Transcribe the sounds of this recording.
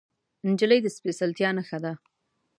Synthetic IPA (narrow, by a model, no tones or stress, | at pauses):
ɪnd͡ʒələjd̪əspesalt̪jɑnaxad̪a